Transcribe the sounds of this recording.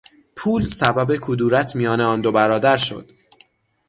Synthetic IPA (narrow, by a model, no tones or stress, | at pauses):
pʰuːlsæbæbe̞kʰud̪uːɾæt̪ʰmijɒːneɒːnd̪o̞bæɾɒːd̪æɾʃo̞̰d̪̥